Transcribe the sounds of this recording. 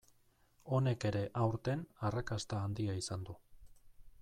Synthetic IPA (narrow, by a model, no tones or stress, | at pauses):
o̞ne̞ke̞ɾe̞ʔawɾt̪e̞narakast̪aːnd̪iaisand̪u